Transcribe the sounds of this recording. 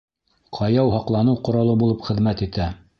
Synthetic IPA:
qʰɑjɑwɦɑqlˠɑnɤwqŏɾɑlˠɤbulˠɤpχɘ̆ðmæt̪it̪æ

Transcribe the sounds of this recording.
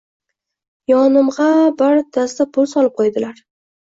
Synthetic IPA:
jɒnɪmʁɑbaɾt̪ʰast̪apʰʊlˠsɒlˠɪp̚qʰojd̪ɪlaɾ

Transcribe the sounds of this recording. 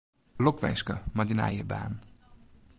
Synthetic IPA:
lokvɛ̰nʲʃkəmad̪ina̰jəba̰ːn

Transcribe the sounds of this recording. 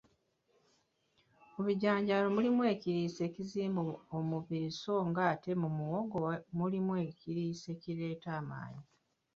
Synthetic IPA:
muβiɟaːɲɟaːlo̞mulimwe̞ːciɾiːse̞ːciziːmboomuβiɾiso̞ːŋɡaːte̞mumuwoɡomulimwe̞ːciɾiːse̞ciɾe̞ːtaːma̰ːɲi

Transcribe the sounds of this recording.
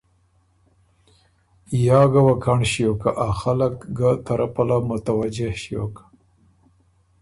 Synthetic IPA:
jɑːɡawakaɳɕijokaʔaxalakɡat̪aɾapalamʊt̪awad͡ʒehʃijo̰kḁ

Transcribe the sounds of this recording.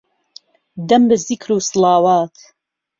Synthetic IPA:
d̪ɐmbɨzikʰɾuːsɨlˠɑːwaːt̪ʰ

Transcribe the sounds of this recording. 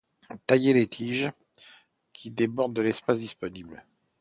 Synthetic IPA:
t̪ajelet̪ʰiʒ | kʲʰid̪ebɔʁd̪əlɛspasd̪ispɔnibl

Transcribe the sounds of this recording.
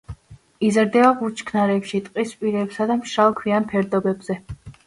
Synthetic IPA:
izaɾd̪ɛaʁut͡ʃʰʼkʰnaɾɛpʃit̪ʼqʼispʼiɾɛpsad̪amʃɾalˠkʰwianpʰɛɾd̪ɔbɛbzɛ

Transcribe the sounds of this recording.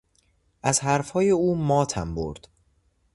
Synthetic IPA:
ʔæzɦæɾfhɒːjeuːmɒːt̪ʰæ̰mbo̰ɾd̪̥

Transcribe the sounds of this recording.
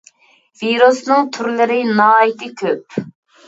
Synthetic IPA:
viɾusnɨŋt̪ʰyɾlɪɾɪnɑːit̪ɪkʲʰøp̚

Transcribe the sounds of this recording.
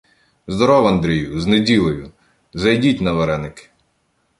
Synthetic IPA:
zd̪ɔɾɔwɐnd̪ɾʲijʊznedʲilˠejʊ | zɐjdʲitʲnɐʋeɾɛnɪkɪ̥

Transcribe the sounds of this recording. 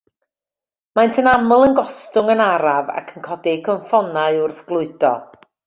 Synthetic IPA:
majntʰənamʊlˠənɡɔstʊŋənaɾava̰kʰənkʰɔdikʰɔɱfɔnaɨʊrθɡ̥lˠʊɨd̥ɔ̰

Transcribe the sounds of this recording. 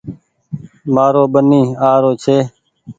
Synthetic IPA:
maːɾoːɓəniːaːɾoːt͡ʃʰeː

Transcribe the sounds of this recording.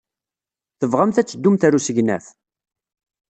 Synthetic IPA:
θəvʁamθæt͡sːəd̪ːumθæɾusəʝnæ̰f

